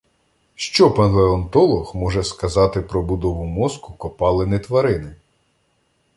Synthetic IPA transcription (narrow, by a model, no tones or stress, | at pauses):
ʃt͡ʃɔpɐnlˠeɔnt̪ɔlˠɔxmɔʒɛskɐzɑt̪ɪpɾɔbʊd̪ɔʋʊmɔskʊkɔpɑlˠenɪt̪ʋɐɾɪnɪ